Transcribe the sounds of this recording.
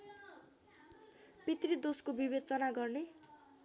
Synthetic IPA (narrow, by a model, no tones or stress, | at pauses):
pit̪rid̪oskobibed̪̚t͡sʌnaɡʌrne